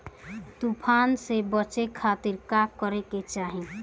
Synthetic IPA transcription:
t̪upʰansebət͡ʃekʰat̪iɾkakəɾeket͡ʃaɦi

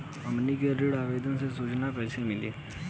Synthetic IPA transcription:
ɐmnikeɾɪɽaːʋeːd̪ənsesuːt͡ʃnapɛːsemɪlḛː

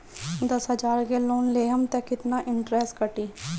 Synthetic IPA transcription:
d̪əsɦəd͡ʒaːɾɡeːloːnleːɦəmt̪ɛkɪt̪naːʔɪɳʈɾɛːsʈkəʈiː

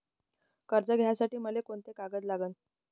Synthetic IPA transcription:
kəɾd͡zəɡʱjasaʈiːməlekoɳt̪ekaɡəd͡z̪laɡən

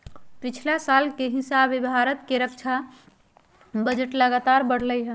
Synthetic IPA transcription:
pit͡ʃʰlasalkeɦɪsabebʱaɾət̪keɾəkt͡ʃʰa | bəd͡ʒəʈləɡat̪aɾbəɽ̤ləjɦɛ̃

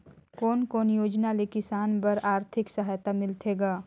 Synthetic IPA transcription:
kɔːnkɔːnjoːd͡ʒnalekɪsaːnpɐɾaːɾt̪ʰɪksəɦaːjt̪amɪlt̪ʰeːɡaː

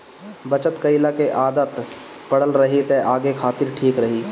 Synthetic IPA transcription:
bət͡ʃət̪kəɪlakeʔaːd̪ət̪ | pəɽəlɾəɦit̪eʔaːɡekʰaːt̪ɪɾʈʰiːkɾəɦiː

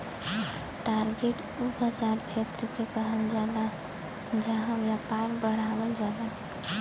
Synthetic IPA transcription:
ʈaɾɡeʈ | ubəd͡ʒaɾt͡ʃʰet̪ɾəkekəɦəld͡ʒad̪a | d͡ʒaɦãbjapaɾbəɽ̤abəld͡ʒad̪a

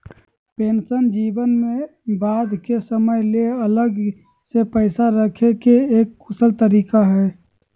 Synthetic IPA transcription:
pensənd͡ʒibənmebad̪kesəməjleələɡ | sepəɪsaɾəkʰekeːkːusəlt̪əɾikaɦɛ

